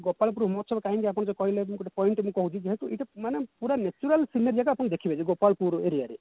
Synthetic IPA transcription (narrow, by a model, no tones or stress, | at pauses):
ɡopaɭp̬uɾɦumɔt͡ʃʰɔbakaɦĩŋkiapɽ̃d͡ʒɔkɔɦilẽkoʈapɔiɳʈmũkɔɦũt͡ʃʰid͡ʒeɦet̪ueʈamanepuɾanet͡ʃuɾalsinaɾd͡ʒakaapɔñd̪ekʰibʱat͡ʃʰiɡopalpuɾeɾijaɾḛ